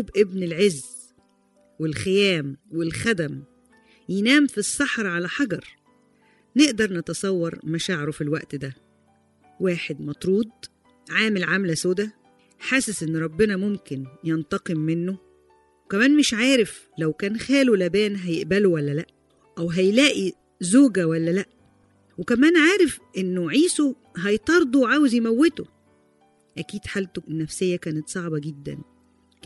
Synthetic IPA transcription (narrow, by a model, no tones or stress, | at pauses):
bʔebnelʕezː | welxejæːmwelxæd̪æm | jenæːmfisˤːɑħɾˤʕalæħɑɡɑɾˤ | neʔd̪ɑɾˤnet̪ɑsˤɑwːɑɾˤmæʃaːʕeɾofilwæʔt̪d̪æ | wæːħed̪mɑt̪ˤɾuːd̪̚ˤ | ʕaːmelʕamlæsoːd̪æ | ħaːsesʔɪnːɾˤɑbːenɑmomkɪnjent̪ɑqemːenːo | wekæmæːnmeʃʕaːɾef | læwkæːnxæːlulæbæːnɦæjeʔbælowælːælæʔ | ʔæwɦæjlæːʔi | zoːɡæwælːælæʔ | wekæmæːnʕaːɾefʔenːoʕiːso | ɦɑjt̪ˤɑɾˤd̪ˤowʕaːwezjemæwːet̪o | ʔækiːd̪̥ħaːlt̪oʔenːæfsejːækæːnet̪sˤɑʕbɑɡed̪ːæ̰n